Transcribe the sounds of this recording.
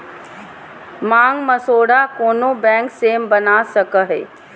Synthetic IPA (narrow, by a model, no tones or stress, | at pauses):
mãːŋɡmɐsoːɽakoːnobɛ̃ːŋkseːmbɐnasɐkəɦḛː